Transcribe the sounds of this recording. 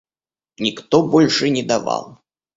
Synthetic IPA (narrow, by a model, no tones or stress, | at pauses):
nʲikt̪ɔbɔlʲʂɨnʲɛd̪ava̰lˠ